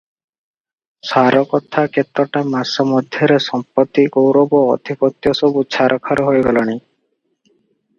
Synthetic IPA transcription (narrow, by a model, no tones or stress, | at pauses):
saɾɔkɔt̪ʰakʰet̪ːɔʈamasɔmɔd̪ʱjɔɾesɔmpɔt̪ːiɡowɾɔbɔ̰ːd̪ʱipɔt̪jɔsɔbut͡ʃʰaɾʔɔkʰaɾɔɦojɡɔlɔni